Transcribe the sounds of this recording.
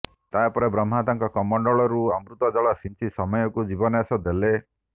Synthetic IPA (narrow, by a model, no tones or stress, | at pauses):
t̪apɔɾebɾɔm̤at̪aŋkɔkɔmɔɳɖɔɭɔɾuamɾut̪ɔd͡ʒɔɭasint͡ʃʰisɔmɔjɔkud͡ʒibɔnɔasɔd̪ele